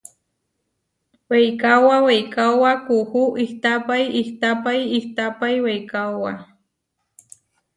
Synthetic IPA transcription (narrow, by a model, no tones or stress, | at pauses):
wejkawawejkawakuhuʔiht̪apajiht̪apajiht̪apajwejkawa